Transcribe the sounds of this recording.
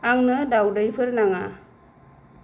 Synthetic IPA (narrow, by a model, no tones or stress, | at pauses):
aŋnɯdawdɯjpʰɯɾnaŋa